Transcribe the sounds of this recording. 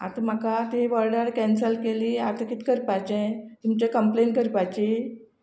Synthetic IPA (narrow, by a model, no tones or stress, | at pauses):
a̰t̪ʰəm̤akat̪eʋəɾɖəɽkɛnsəlkeliːaɾt̪ʰəkiːt̪kəɾpajt͡ɕɛ̃t̪umt͡ɕekəmplenkəɾpajt͡ɕi